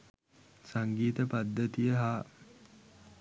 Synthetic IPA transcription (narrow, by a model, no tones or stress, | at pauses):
saŋɡiːt̪əpad̪ːət̪ijəɦaː